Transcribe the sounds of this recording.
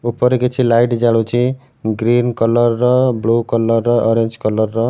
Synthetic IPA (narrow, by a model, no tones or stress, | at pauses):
upːʌɾeket͡sʰilajʈd͡zaɽot͡ʃʰi | ɡɾinkʌlʌrːʌblukʌlʌrːʌɔɾend͡zkʌlʌrːʌ